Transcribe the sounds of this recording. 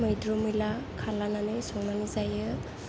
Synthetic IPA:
mɯjdɾumɯlakʰalananɯsɔŋnanɯzajɯ

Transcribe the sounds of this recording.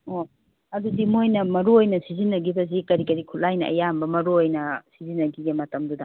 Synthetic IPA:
o | ɐdudimojnɐmɐɾuojnɐsizinːɐɡibɐzikɐɾikɐɾikʰulːajnɐ̰ʔɐ̰jambɐmɐɾuojnɐsizinːɐɡiɡemɐtɐmdudɐ̰

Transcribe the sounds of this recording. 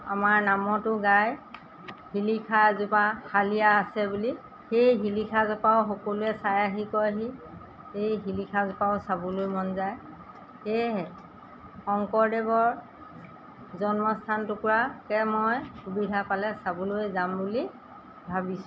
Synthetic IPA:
a̰maɹnamɔtʊɡaj | hilikʰazʊpakʰalijaːsɛbuli | xejɦilikʰazɔpaʊxɔkoluɛsajaɦikɔɦi | hejɦilikʰazɔpaʊsabulojmɔnzaj | xejɦɛ | xɔŋkɔɹdɛbɔɹ | zɔnmɔstʰantʊkuɹakɛmɔjxubidʱapalɛsabuloɛzambuli | bʱabisʊ̥

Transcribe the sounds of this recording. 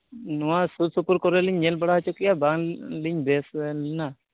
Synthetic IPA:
nuwasusupuɾkɔɾeliɲːelbɔɽaɦɔt͡ʃʰɔkijabaŋliɲbeslna

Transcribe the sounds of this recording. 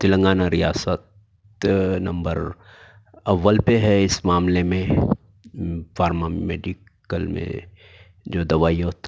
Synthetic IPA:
t̪ɪlə̃ŋɡaːnaɾijaːsət̪ | nɐ̃mbəɾ | ɐʋːəlpeɦɛɪsmaːmlemẽ | faːɾmameːɖik | əlmḛ̃ | d͡ʒoːd̪ɐʋaːjoːt̪

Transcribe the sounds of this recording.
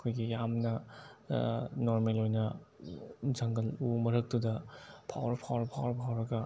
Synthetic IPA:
ɐkʰojɡijamnɐ | noɾmelojnɐ | zʰaŋɡɐlumɐɾɐk̚tudɐpʰa̰wɾɐpʰawɾɐpʰawɾpʰawɾɐɡɐ

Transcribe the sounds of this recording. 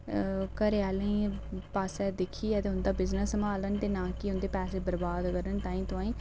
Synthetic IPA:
kəɾeaːlĩːpaːsɛːd̪ɪkʰːiːɛːt̪eːɦʊnd̪aːbɪznəsəmaːlənt̪eːnãːkiɦʊnd̪eːpɛːseːbəɾbaːd̪kəɾənt̪aːĩːt̪ʊãːĩː

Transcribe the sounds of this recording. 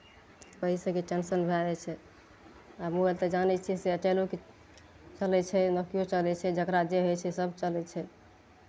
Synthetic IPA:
kəɦisə̃keʈɛnsənbʱɛɛt͡ʃʰɛ | amuelt̪əd͡ʒanɛt͡ʃʰiseət͡ʃɛloke | t͡ʃəlɛt͡ʃʰɛnəkijot͡ʃəlɛt͡ʃʰɛd͡ʒəkɾad͡ʒeɦojt͡ʃʰɛsəbʱt͡ʃəlɛt͡ʃʰɛ

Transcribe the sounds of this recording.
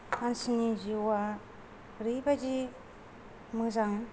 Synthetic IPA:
ansiniziwa | ɾibad͡ʒi | mɯzaŋ

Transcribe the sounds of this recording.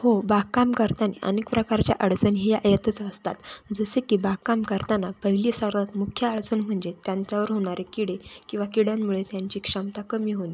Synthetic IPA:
hobakamkəɾt̪anḛʔə̰nekpɾəkaɾt͡ɕja̰ʔəɭt͡sənɦijaʔjət̪ət͡səst̪a̰t̪d͡zəsekiːbakamkəɾt̪anapəɦiliːsaɾʋat̪mukʰjaəɭt͡sənm̤əɳd͡zet̪jaɲt͡ɕjaʋəɾɦoɽ̃aɾekiɽekĩw̃ʋakiɽjamːuɭet̪jaɲt͡ɕiːkʂəmt̪akəmiːɦoni

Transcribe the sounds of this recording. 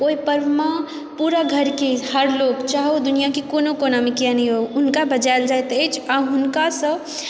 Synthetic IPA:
oipəɾʋma | puɾaɡʱəɾkehəɾloɡt͡ʃaɦod̪unijakekonokonamekijanəjɦoʊnkabəd͡ʒald͡ʒajt̪əjt͡ʃʰaɦʊnkasə̃

